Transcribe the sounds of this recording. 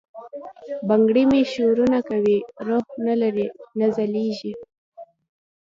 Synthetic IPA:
baŋɡɽimeʃoɾunakawiɾohnalaɾinazaleʒi

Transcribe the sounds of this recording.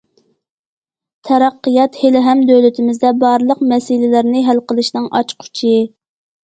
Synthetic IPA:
t̪ʰɛɾɑqːijɑt̪helɪɦɛmd̪ølɪt̪ʰɪmɪzd̪ɛbɑɾlˠəqmɛsilɪlɪɾnɪɦælqəlˠɨʃnɨŋʔɑ̰t͡ʃqʰʊ̥t͡ʃʰɪ

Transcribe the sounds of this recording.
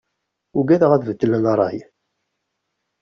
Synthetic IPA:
ʊɡæðəʁæðvəd̪ːələnɑɾˤːɑ̰j

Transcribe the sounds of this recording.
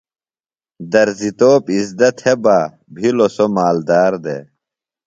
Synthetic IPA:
d̪ɐɾzit̪oːpizd̪ɐt̪hebaː | bʱilosomaːld̪aːɾd̪ḛ

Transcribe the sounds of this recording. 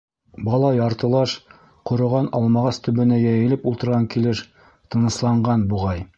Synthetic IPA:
bɒlˠɑjɑɾt̪ɤ̆lˠɑʃ | qŏɾɤ̆ʁɑnɒlˠmɑʁɑst̪ɵ̆bɘ̆næjæjɘ̆lɘpulˠt̪ɤ̆ɾʁɑŋkilɘʃ | t̪ɤ̆nɤ̆slˠɑɴɢɑnbuʁɑj

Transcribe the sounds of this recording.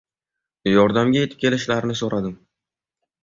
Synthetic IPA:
jɒɾd̪amɡʲaje̞t̪ɪ̥p̚kʲʰe̞lɪʃlaɾɪnɪsoɾad̪ɪm

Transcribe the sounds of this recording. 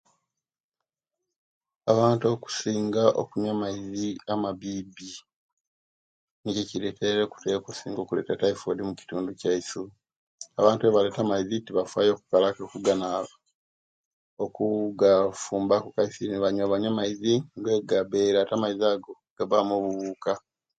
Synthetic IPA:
aβaːnto̞ku̥siːŋɡaʔo̰kuɲamaiziamaβibi | niceciɾetʰeɾeku̥tekosiːŋɡo̞ːkule̞̰tataifodimuci̥tuːnducaisu | aβaːntueβale̞ːtamaizitiβafwaːjo̞ːku̥kalakokuɡana | okuɡafuːmbakukaisiniβaɲaβaɲamaiziŋɡwe̞ɡaβe̞ːɾatamaiziaːɡo̞ | ɡ̥aβamoβuβuːka

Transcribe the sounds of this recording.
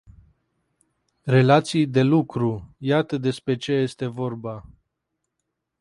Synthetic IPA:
ɾe̞lat̪sijd̪e̞lukɾujat̪əd̪e̞spɾe̞t͡ʃe̞je̞st̪e̞vo̞rba

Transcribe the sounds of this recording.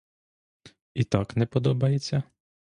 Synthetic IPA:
it̪ɑknɛpɔd̪ɔbɐjet͡sʲːɐ

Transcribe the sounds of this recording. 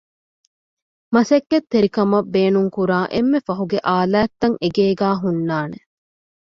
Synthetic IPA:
mɐsɐkːet̪ːeɾikɐmɐbːeːnuŋkuɾaːʔemːefɐɦuɡeʔaːlæːt̪ːɐŋeɡeːɡæːɦunːaːne

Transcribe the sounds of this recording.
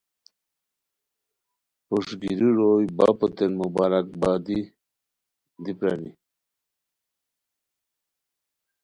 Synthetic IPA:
puʂɡiɾiɾojba̰pɔt̪enmubaɾak̚baːd̪i | d̪ipɾani

